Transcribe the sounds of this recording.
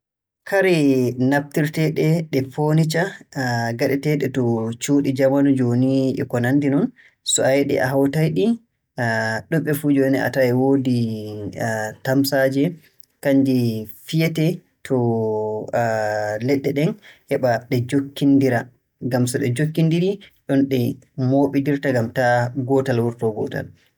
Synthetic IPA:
kʰaɾɛnap̚tiɾtɛɗɛɗɛfonit͡ʃa | ɡaɗɛtɛɗɛtɔt͡ʃuɗid͡ʒamanud͡ʒoniʔɛ̰kɔnandinɔn | sɔajɛɗɛ̰ʔa̰ɦawtajɗi | ɗɔɓːɛfud͡ʒɔɛnɛa̰taɛwoːdi | tamsad͡ʒɛ | kaɲd͡ʒifijɛtɛ | tʰɔ | lɛɗːɛɗɛnhɛɓaɗɛd͡ʒokːindiɾa | ɡamsɔɗɛd͡ʒokːindiɾiɗɔnɗɛ | moːɓidiɾtaɡamtaɡɔtalwuɾtɔɡɔta̰l

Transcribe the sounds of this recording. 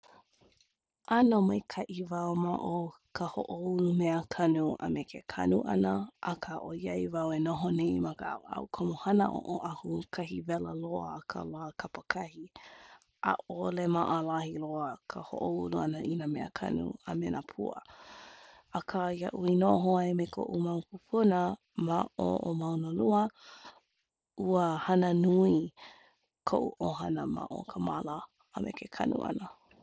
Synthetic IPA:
ʔanomajkʰaʔivawmaʔo | kʰəhoʔoulumeəkʰɐnua̰mekʰekʰɐ̰nuʔɐ̰nəʔakʰaʔojɐjvawenoɦoneimɐkəa̰w̰ɐ̰wkʰomohɐnəʔo̰ʔoʔahukʰɐɦivɛləloəkʰə̰lakʰɐpəkʰɐhi | ʔa̰ʔolemaʔalahiloəkʰəho̰ʔouluanəʔinəmeʔəkʰa̰nṵa̰menʔapʰuə̰ | ɐkʰajaʔuinoʔɦoaemekʰo̰ʔumawpupʰunə | maʔo̰ʔomawnəluə | uəhanənui | kʰoʔuʔoɦanəma̰ʔo̰kʰəmaləː | mʔḛkʰekʰa̰nṵʔa̰nə

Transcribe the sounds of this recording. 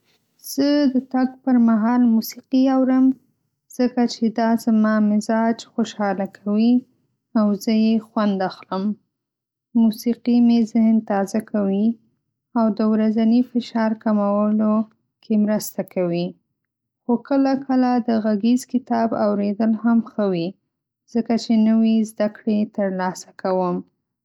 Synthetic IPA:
z̥əd̪ət̪aɡpəɾmaɦɑlmusiqiawɾəm | z̥əkat͡ʃed̪ɑzamɑmɪzɑd͡ʒxoʃɑlakʰawi | awzəjexwand̪axləmː | usiqimezɪhnt̪ɑzakawi | awd̪əwɾazanifɪʃɑɾkamawəlo | kʰemɾəst̪akʰawi | xokəlakəlad̪əɣaɡezkɪt̪ɑbawɾed̪əlɦamxəwi | z̥əkat͡ʃenəwizd̪akɽet̪əɾlɑsḁkawəm

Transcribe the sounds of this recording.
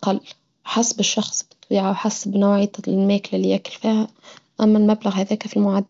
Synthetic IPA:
ʔqɑlː | ħasbɪʃːɑxsˤbɪ̥t̪ˤwiːʕawħasbnaːʕit̪mæːklalːijʔækʊlfiːhaʔæmːælmablaɣhæðæːkfilmʊʕad̪ː

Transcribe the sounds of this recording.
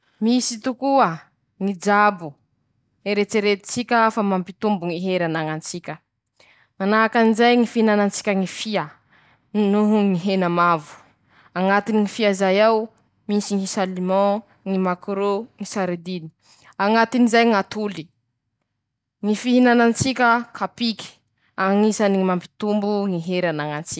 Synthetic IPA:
misit̪ukuə | ŋid͡ʒabu | eɾet͡seɾet̪i̥t͡sikʲəfamampit̪umbuŋiɦeɾanaŋant͡sikʲə | manaakanizajŋifihinanant͡si̥kʲəŋifia | nuɦuŋiɦenamavu̥ | aŋat̪iniŋifiazajaw | misiŋisalimɔ̃ | ŋimakɾuŋisaɾed̪ini̥ | aŋat̪inizajŋat̪uli | ŋifiɦinanant͡sikʲəkʰapiki̥ | aŋisaniimampi̥t̪umbuŋiɦeɾanaŋant͡sik

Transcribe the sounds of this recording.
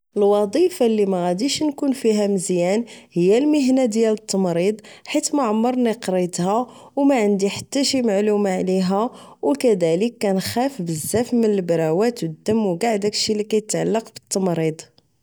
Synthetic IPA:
əlwɑd̪ˤifalːimæɣæd̪iʃnkunfiɦæməzjænhəjːælməɦnad̪jælət̪ːɑmɾid̪ˤħit̪mæʕəmːəɾˤniqɾit̪hæ | wmæʕənd̪iħḁt̪ːæʃimaʕlumaʕliɦæ | wkæd̪æləkːænxæfbəzːæfmənəlbɾˤɑwæt̪wəd̪ːəmwɡaʕd̪ækʃilikæjət̪ʕalːɑqbə̥t̪ːɑmɾid̪ˤ

